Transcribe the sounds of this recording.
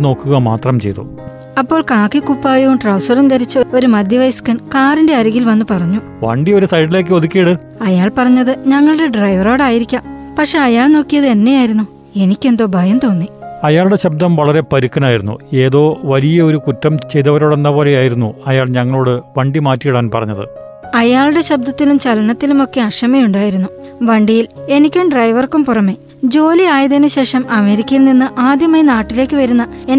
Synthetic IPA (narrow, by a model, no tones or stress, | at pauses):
no̞ːkːuɣɐma̰ːt̪rɐmt͡ɕe̞̰jt̪o̰ | ɐpːo̞ːɭkaːkːikːupːaːjoʈrɐwsɐrund̪ɐɾit͡ɕːɨoo̞ɾumɐd̪ʱjɐʋɐjskɐnkaːrinde̞ɐɾuɣilʋɐnːupɐrɐɲːu | ʋɐ̰ɳɖio̞ɾusɐjʈ̬ːileːk̬ːɨoðukʲːijiɽɨ | ɐjaːɭpɐrɐɲːɐðɨɲɐŋːɐɭɨɽe̞ɖrɐjʋɐro̞ːɽaːjiɾikʲːaːmpɐkʂe̞ɐjaːɭno̞ːkːijɐðɨe̞nːe̞jaːjiɾunːu | e̞nikʲːe̞nd̪o̞ːbʱɐjɐmt̪oːnːiɐjaːɭɽe̞ɕɐb̚d̪ɐmʋɐɭɐɾe̞pɐɾukːɐnaːjiɾunːṵe̞ːðo̞ːʋɐlijɐoɾukutːɐmt͡ɕe̞jt̪ːɐʋɐɾo̞ːɽe̞nːɐbo̞ːle̞jaːjiɾunːuɐjaːɭɲɐŋːɐɭo̞ːɽɨʋɐɳɖimaːtːijiɽaːnpɐrɐ̰ɲːɐðɨ̰ | ɐjaːɭuɽe̞ɕɐb̚d̪ɐt̪ːilumt͡ɕɐlɐnɐt̪ːilumo̞kːe̞ɐʂɐmɐjuɳɖaːjiɾunːuʋɐɳɖijile̞nikʲːumɖrɐjʋɐrkumpurɐme̞ː | d͡ʑo̞ːliaːjɐðenːɨɕe̞ːʂɐmɐme̞ːɾikʲːɐjilninːɨʔaːd̪jɐmɐjnaːʈːile̞ːkːɨʋɐɾunːɐen